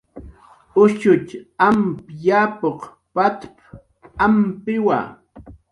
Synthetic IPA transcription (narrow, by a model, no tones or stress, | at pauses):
ʊʃʊt͡ʃampjapoq | pat̪p | ampɪwa̰